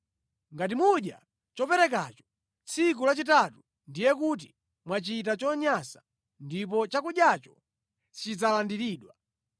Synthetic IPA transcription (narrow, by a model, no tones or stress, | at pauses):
ŋɡat̬imuɗja̰ | t͡ʃɔpɛɾɛkat͡ʃɔ̥ | t͡sʰikulat͡ʃitatu | ndijɛk̬ut̬i̥ | mwat͡ʃitat͡ʃɔɲasḁ | ndip̬ɔt͡ʃakuɗjat͡ʃɔ̥ | t͡ʃid͡zalandiɾiːɗwa